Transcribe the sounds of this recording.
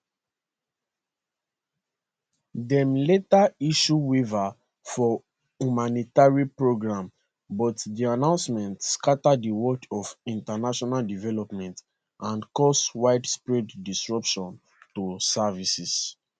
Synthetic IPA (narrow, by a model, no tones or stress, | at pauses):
dɛ̃mletaiʃuweva | fɔ | humanitaɹipɹoɡɹãm | bɔtdianãʊ̃nsmɛ̃ntskatadiwɔt͡ʃɔfĩntanaʃɔnaldivɛlɔpmɛ̃nt | ãnkɔswaɪdspɹidːisɹɔpʃɔ̃n | tosavisis